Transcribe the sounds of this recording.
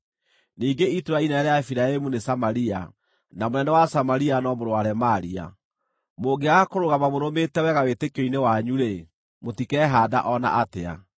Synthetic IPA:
niːɡeitoɾainɛɾɛaefiɾaemunesamaɾia̰ | namonɛnɛwasamaɾianɔmoɾoaɾɛmaɾia̰ | moɡeaakoɾoɣamamoɾometɛwɛɣawetekoinewaɲuɾe | motikɛɦaːda̰ʔɔna̰ʔatea̰

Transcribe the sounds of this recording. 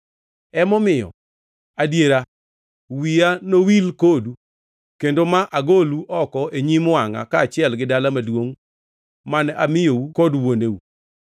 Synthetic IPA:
ɛmɔmɪjɔ̰ | adjeɾa | wianowilkodu | kendomaʔaɡoluʔɔkɔʔeɲimwaŋa̰kaːt͡ʃɪɛlɡɪdalamadwoŋ | manamɪjoukɔdwonewu

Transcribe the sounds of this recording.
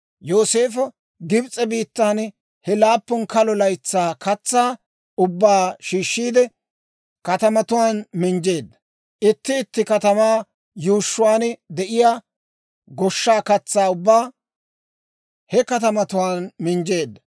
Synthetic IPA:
joːse̞ːfɐ | ɡɪbt͡sʼɛbiːt̪ːaːn | hɛlaːpːɔnkɐlɔlɐjt͡sːaːkɐt͡sːaː | ʊbːaːʃiːʃːiːd̪ɛ | kɐt̪ɐmɐt̪ʊwaːnmɪnd͡ʒe̞ːd̪ːɐ | ʔɪt̪ːɪːt̪ːɪkɐt̪ɐmaː | juːʃːʊwaːnd̪ɛʔɪjaː | ɡɔʃːaːkɐt͡sːaːʊbːaː | hɛkɐt̪ɐmɐt̪ʊwaːnmɪnd͡ʒe̞ːd̪ːɐ

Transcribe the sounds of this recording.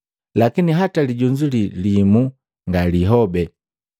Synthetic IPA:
lakiniɦataliɟuɲd͡ʒulilimu | ŋɡaliɦɔbɛ

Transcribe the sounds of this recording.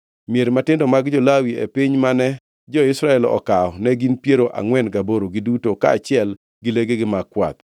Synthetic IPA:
mieɾmatɪndɔmaɡd͡ʒɔlawiḛpiɲmanɛ | d͡ʒɔɪsɾaɛlɔ̰kaɔnɛɡinpjeɾoʔa̰ŋwɛnɡaboɾoɡɪdutoka̰ːt͡ʃɪɛl | ɡɪleɡeɡɪmakwa̰t̪̚

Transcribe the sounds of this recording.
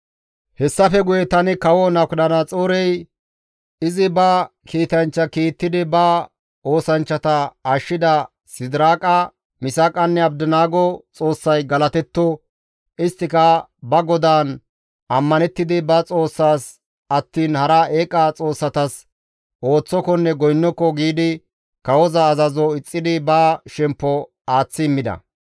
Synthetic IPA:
hɛsːɐfɛɡʊjɛt̪ɐnɪkɐwɔnɐknɐnɐt͡sʼoːɾɛj | ɪzɪbɐ | kiːt̪ɐnt͡ʃːɐkiːt̪ːɪd̪ɪbɐ | o̞ːsɐnt͡ʃːɐt̪ɐɐʃːɪd̪ɐ | sɪd̪ɪɾaːkʼɐ | mɪsakʼɐnːɛɐbd̪ɪnaːɡɔt͡sʼo̞ːsːɐjɡɐlɐt̪ɛt̪ːɔ | ɪst̪ːɪkɐbɐɡɔd̪aːn | ʔɐmːɐnɛt̪ːɪd̪ɪbɐt͡sʼo̞ːsːaːs | ɐt̪ːiːnhɐɾaːʔeːkʼːɐt͡sʼo̞ːsːɐt̪ɐs | ʔo̞ːt͡sːɔkɔnːɛɡɔjnːɔkːɔɡiːd̪ɪ | kɐwɔzɐːzɐzɔɪt͡sʼːɪd̪ɪbaːʃɛmpːɔ | aːt͡sːɪːmːɪd̪ɐ̰

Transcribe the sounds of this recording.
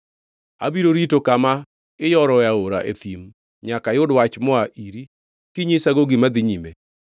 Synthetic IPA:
a̰biɾoɾitokama | ɪjɔɾɔaoɾa̰ʔḛt̪im | ɲakajʊdwat͡ʃmɔaʔiɾi | kiɲesaɡoɡimad̪ɪɲime

